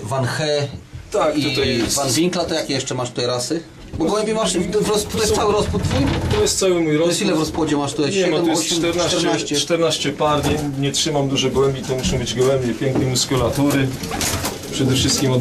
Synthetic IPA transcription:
vanxɛt̪akit̪ut̪ajvanvʲiŋklat̪ɔjakʲjɛʂt͡ʂɛmaʂt̪u̥t̪ajɾasɘ | bɔɡwɛmbʲimaʂvɾɔsput̪ɔjɛst̪sawɘɾɔsput̪̚ːfujt̪ɔjɛst̪sawɘmujɾɔsilɛvɾɔspwɔd͡ʑɛmaʂt̪ut̪ajɲɛɛnɔmɔjt̪ɛɾnat̪ɛɾnaɕt͡ɕɛt̪ɛɾnaɕt͡ɕɛpaɾd͡ʑɛɲɲɛtʂɘmamd̪uʐɔɡwɛmbʲit̪ɔmuʂɔ̃w̃bɘd͡ʑɡwɛmbʲjɛpʲjɛŋknɛmuskulat̪ɔɾɘ | pʂɛd̪ɛfʂɘst̪kʲimɔ

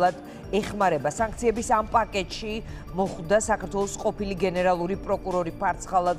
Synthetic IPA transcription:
ad̪ | ɛχmaɾɛbasaŋk̚ʰt̪sʰiɛbisampʼakʼɛt̪ʼʃi | mɔχwd̪asakaɾt̪ʰwɛlˠɔsqʼɔpiliɡɛnɛɾalˠuɾipʼɾɔkʼuɾɔɾipʰaɾt̪sʰχalˠa

